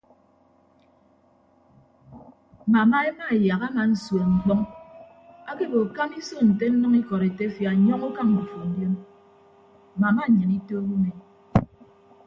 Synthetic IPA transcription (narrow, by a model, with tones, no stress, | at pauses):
ma˨ma˦e˦ma˦˨ja˨ka˦ma˨n̩˨swɔ˨ŋ͡m̩˨k͡pɔ˦ŋ | a˦ke˦bo˨ka˦mi˦so˦n̩˨te˦n̩˦nɨ˦ŋi˦kɔ˨ɾe˨te˦fja˨ɲɔ˦ŋo˦ka˦ŋ̩˨bu˨fo˨n̩˦djo˦m˨ | ma˨ma˦˨ɲɨ˨ni˦to˦ɡu˦me˨